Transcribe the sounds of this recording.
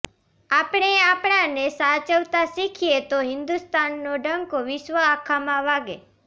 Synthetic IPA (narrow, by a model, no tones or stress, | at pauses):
apɽ̃eapɽ̃ãnesat͡ʃəʋt̪asikʰijet̪oɦɪnd̪ust̪anːoɖəŋkoʋɪʃʋəakʰamãʋaɡḛ